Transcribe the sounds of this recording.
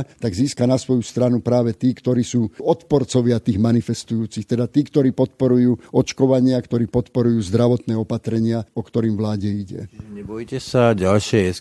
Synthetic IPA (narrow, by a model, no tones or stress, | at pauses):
t̪aɡziːskanasʋɔjust̪ɾanupɾaːʋɛt̪iːkt̪ɔɾiːsuːɔt̪pɔɾt͡sɔʋɪat̪iːɣmanifɛst̪ujuːt͡sixt̪ɛd̪at̪iːkt̪ɔɾiːpɔt̪̚pɔɾujuːɔt͡ʃkɔʋaɲɪakt̪ɔɾiːpɔt̪pɔɾujuːzd̪ɾaʋɔt̪nɛːɔpat̪ɾɛɲɪaɔkt̪ɔɾiːmʋlaːɟɛiɟɛ̰ɲɛbɔjcɛsaɟalʃɪɛɛs